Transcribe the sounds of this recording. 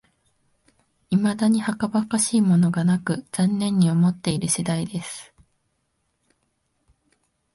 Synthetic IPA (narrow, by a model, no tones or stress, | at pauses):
imad̪aɲ̟ihakabakaɕiːmo̞no̞ɡanakɯ̟z̥ãnːẽ̞ɲ̟ːio̞mo̞t̪ːe̞iɾɯ̟ɕid̪aid̪e̞sɨ̥